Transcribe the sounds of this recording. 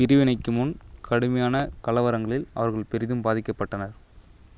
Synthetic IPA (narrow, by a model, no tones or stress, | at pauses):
ɪɾɯʋɪnɐɪkːɯmɯnkʰɐɽɯmɐjaːnɐkɐlɐʋɐɾɐŋɡɐɭɪlɐ̰ʋɐɾɣɐɭpɛɾɪðɯmbaːðɪkːɐpːɐʈːɐnɐɾ